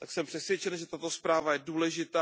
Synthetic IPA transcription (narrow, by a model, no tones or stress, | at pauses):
t̪aksɛmpr̝̥ɛsvjɛt͡ʃɛnʒɛt̪at̪o̞spɾaːvajɛduːlɛʒɪt̪aː